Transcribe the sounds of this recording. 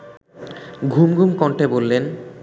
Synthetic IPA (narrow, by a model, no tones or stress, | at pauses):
ɡʱumɡʱumkɔɳʈebolːen